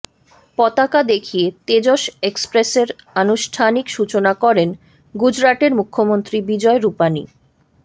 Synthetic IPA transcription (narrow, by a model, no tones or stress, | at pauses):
pɔt̪akad̪ekʰiet̪ed͡ʑoʃekspɾeseɾanuʃʈʰanikʃut͡ɕonakɔɾen | ɡud͡ʑɾaʈeɾmukʰːomont̪ɾibid͡ʑɔeɾupanḭ